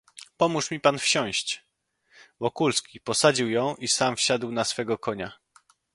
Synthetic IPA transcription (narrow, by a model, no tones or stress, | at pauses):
pɔmuʂmʲipanfɕɔ̃w̃ɕt͡ɕ | vɔkulskʲipɔsad͡ʑiwjɔ̃w̃ʔisamfɕad̪wnasfɛɡɔkɔɲa